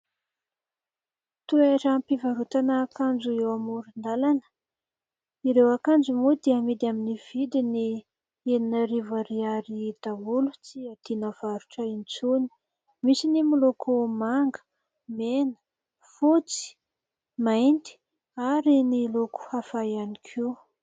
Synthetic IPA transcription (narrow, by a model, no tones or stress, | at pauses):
t̪ueɾampivaɾut̪anəkand͡ʒuewamuɾund̪alanə̥ | iɾewakand͡zumud̪iamid̪aminiv̥id̪ini | eninəɾivaɾiaɾid̪̥aɦulu̥t͡siat̪inəv̥aɾuʈ͡ʂaint͡suni̥ | misinimulokʰumaŋɡə̥ | menə̥ | fut͡si̥ | majnt̪i̥ | aɾiniloku̥hafajanikʰiw